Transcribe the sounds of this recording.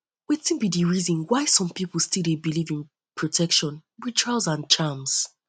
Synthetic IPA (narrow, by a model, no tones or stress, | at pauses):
wɛtĩnbidiɹizɔ̃nwaɪsɔ̃mpipl̩ˠstilˠdebilivĩn | pʰɹɔtʰɛkʃɔ̃nwitʰɹalzãnt͡ʃams